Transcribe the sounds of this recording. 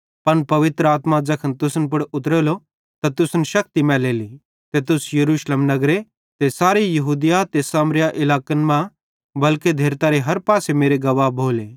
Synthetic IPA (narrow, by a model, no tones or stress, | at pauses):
pɐnpɐʋɪt̪ɾəaːt̪mad͡ʒɐkʰənt̪ʊsənp̬ʊɽʊt̪ɾeːlo | t̪at̪ʊsənʃɐk̚t̪imɛ̃ːleːli | t̪et̪ʊsjɐɾuːʃleːmnɐɡɾe | t̪esaːɾijɐɦuːd̪jat̪esaːmɾjaʔɪlaːkənmã | bɐlked̪ʱeːɾt̪aːɾeɦɐɾpaːsemeːɾeɡɐʋabʱoːleː